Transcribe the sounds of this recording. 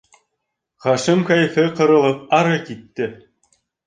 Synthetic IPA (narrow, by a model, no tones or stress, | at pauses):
χɑʂɘ̆mkɑjfʲɘ̆qɤ̆ɾɤ̆lˠɤ̆p̚ɑɾɤ̆kit̪ʲːɘ̆